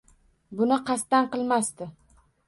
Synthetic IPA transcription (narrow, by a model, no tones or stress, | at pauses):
bʊnɪqʰɑst̪anqɨlˠmast̪ɪ